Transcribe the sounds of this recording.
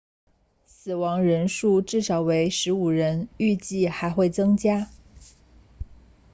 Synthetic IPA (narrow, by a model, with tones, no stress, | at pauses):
s̩˨˩wɑ˧˥ŋɻə˧˥nʂu˥˧ʈ͡ʂɻ̩˥˩ʂɑ˧˥ʊwe˧˥ɪʂɻ̩˧˥u˨˩ɻə˧˥ny˥˧t͡ɕi˥˩xa˧˥ɪxwe˥˩ɪt͡sɤ˥ŋt͡ɕja˥